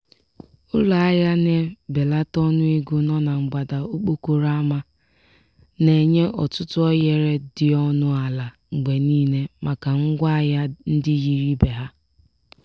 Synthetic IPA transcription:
ʊ˦la˨a˦ja˦ne˦be˨la˦tɔ˦nʊ˦i˦ɡʊ˦nɔ˦na˨ŋ͡m̩˨ɡ͡ba˨da˨o˦k͡po˦ku˨ɾa˦ma˦ | ne˨ɲe˦ʔɔ˨tʊ˦tʊ˦ɔ˦je˨ɾe˦dɪ˨ɔ˦nʊ˦a˨la˨ | ŋ͡m̩˨ɡ͡be˨niː˦ne˦ma˨ka˨ŋ̩˦ɡʷa˦a˦˨ja˦n̩˦dɪ˦ɣi˦ɾi˦be˨ɦa˦

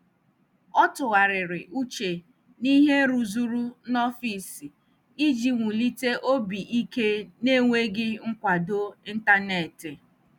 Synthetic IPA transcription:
ɔ˦tʊ˨ɣa˨ɾɪ˨ɾɪ˨ʔu˦t͡ʃe˨ | ni˦ɦe˦ɾu˨zu˦ɾu˦nɔ˦fi˨si˨ | i˦d͡ʒi˨ŋʷu˨li˦te˦ʔo˦bi˨ʔi˦ke˦ne˦ŋʷe˦ɡɪ˦ŋ̩˦kʷa˨do˦i˦n̩˦ta˦ne˨tɪ˨

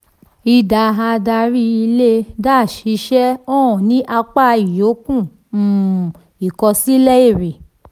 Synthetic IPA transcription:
i˧da˧˨ɦã˧da˧ɾi˦i˧le˦da˦˨ʃi˨˧˦ʃɛ˦ɔ̃˦ɔ̃˨nĩ˦ʔa˧k͡pa˦˧i˨jo˨˦kũ˦˨ | i˨kɔ˧si˦lɛ˦i˦˨ɾi˨

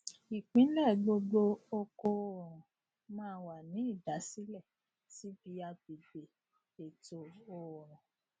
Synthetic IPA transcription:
i˨k͡pĩ˨˦lɛ˦˨ɡ͡bo˧ɡ͡bo˧o˧ko˧o˦˨ɾ̃ã˨ | mãː˦wa˨nĩ˨˦i˦˨da˨˦si˦lɛ˦˨ | ti˦bi˧a˧bi˨be˨ | e˨to˨o˨ɾ̃ã˨

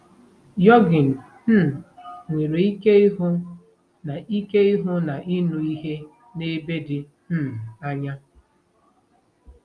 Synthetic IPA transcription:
jɔ˦ɡɪ˨n̩˨˦˨ | ŋʷe˨ɾe˨i˦ke˦ɪ˦ɦʊ˦ | na˨i˦ke˦ɪ˦ɦʊ˦na˨ʔi˦nu˦i˦ɦe˦ | ne˦be˦dɪ˨ | m̩˦˨a˦ɲa˦

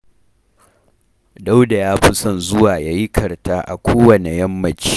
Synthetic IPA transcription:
da˦wda˨jaː˦ɸɪ˦sɐ˨nzʊ˦waː˨jaː˦ji˦kʰɐ˨rta˦ʔa̰˨kʷoː˦wɐ˨ne˨jɐ˦mːɐ˨t͡ʃːi̥˦

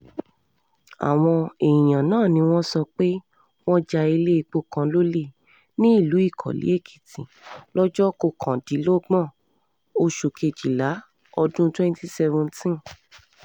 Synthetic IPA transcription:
a̰˨w̃ɔ̃˧e˨ĩ˨j̃ã˨nãː˦˨nĩ˧w̃ɔ̃˦sɔ˧k͡pe˦ | w̃ɔ̃˦d͡ʒa˧i˧le˦i˧k͡po˧kã˧lo˦le˦˨ | nĩ˦i˦˨lu˨˦i˦˨kʰɔ̰˨lḭ˨˦e˦˨kʰi̥˨tĩ˨lɔ˦d͡ʒɔ˦ko˧kʰã˨di˨˦lo˦ɡ͡bɔ̃˦˨ | o˧ʃo˨kʰe˧˨d͡ʒi˨la˨˦ | ɔ˧dũ˦twɛ̃˦n˦ti˦sɛ˧vũ˧ntĩ˦n

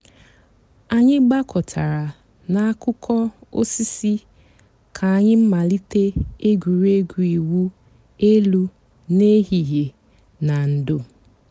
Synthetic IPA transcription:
a˨ɲɪ˦ɡ͡ba˦kʰɔ˨tʰa˨ɾa˨ | na˦a˦kʊ˦kʰɔ˦o̰˦si˦si˦ | kʰa˨a˨ɲɪ˦m̩˦ma˨li˦te˦e˦ɡʷu˨ɾe˦ɡu˨i˨wu˦ | e˦lu˦ | ne˦ɦi˨ɦje˨ | na˨n̩˨do˦

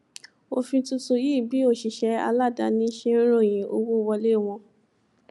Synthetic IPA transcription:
o˧fĩ˧tu˧tu˧ji˦˨bi˨˦o˦˨ʃi˨ʃɛ˨˧a̰˧la˦˨da˧˦nĩ˧˦ʃẽ˦ɾ̃o˦˨j̃ĩ˨˦o̰˧wo˦˨wɔ˧le˦˨w̃ɔ̃˧

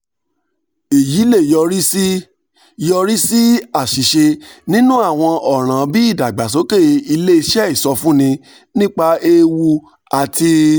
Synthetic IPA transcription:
e˨ji˨˦le˦˨jɔ˧ɾi˦si˦ | jɔ˧ɾi˦si˦a˦˨ʃi˨ʃe˧nĩ˦nũ˦a˦˨w̃ɔ̃˧ɔ˨ɾ̃ã˨bi˦i˦˨da˨ɡ͡ba˨s̬o˨˦ke˦˨i˧le˦i˧ʃɛ˦i˦˨sɔ˧fũ˦nĩ˧ | nĩ˦k͡pa˧e˦wu˦ | a˨ti˧

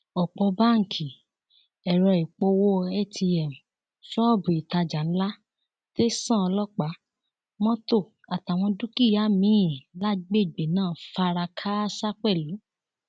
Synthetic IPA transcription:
ɔ˨k͡pɔ˧ba˦ŋ̩˨kʰi˨ | ɛ˨ɾɔ˧i˨k͡po˧wo˦˧ɛ˦˨tʰi˧ɛ˨m̩˨ | sɔ˦ɔ˦˨bũ˨i˨ta˧d͡ʒa˨n̩˦la˦ | te˦sã˦˨ɔ˧lɔ˦k͡pa˨˦ | mɔ̃˦to˦˨ | a˨ta˨w̃ɔ̃˧du˦ki˦˨ja˨˦mĩ˨˦˨la˦ɡ͡be˦˨ɡ͡be˨nãː˦˨fa˧ɾa˧kʰa˦sa˦k͡pɛ˦˨lu˨˦

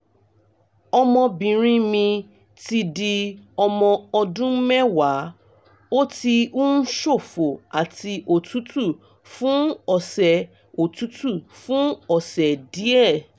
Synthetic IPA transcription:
ɔ˧mɔ̃˧bĩ˨ɾ̃ĩ˦mĩ˧ | ti˧di˧ɔ˧mɔ̃˧ɔ˧dũ˦mɛ̃˦wa˨˦ | o˦ti˧u˦n̩˦ʃo˦˨fo˨a˨ti˧ʔo˨tʰu˨˦tu˦˨ | fũ˦ɔ˨sɛ˨ | o˨tu˨˦tu˦˨fũ˦ɔ˨sɛ˨di˨˦ɛ˦˨

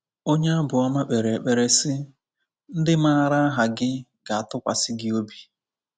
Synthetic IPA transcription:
o˦ɲe˦a˦bʊ˨ɔ˦ma˦k͡pe˨ɾe˨e˨k͡pe˨ɾe˦sɪ˦ | n̩˦dɪ˦ma˦a˨ɾa˦a˦ɦa˨ɡɪ˦ɡa˨a˨tʊ˦kʷa̰˨sɪ˦ɡɪ˦o˦bi˨

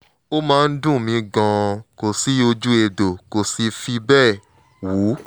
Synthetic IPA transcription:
o˦mãː˦˧n̩˦dũ˦˨mĩ˧˦ɡã˧ko˨si˨˦o˧d͡ʒu˦e˧do˨ko˨si˧fi˧bɛː˦˨ | wu˨˦

